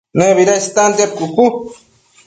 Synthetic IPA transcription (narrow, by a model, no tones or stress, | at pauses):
neβiɾast̪and̪ep̚kuku